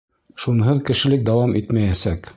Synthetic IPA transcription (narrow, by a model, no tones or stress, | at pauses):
ʃunɦɤðkɘ̆ʃɘ̆lɘk̚d̪ɑwɑmʔit̪mæjæsæk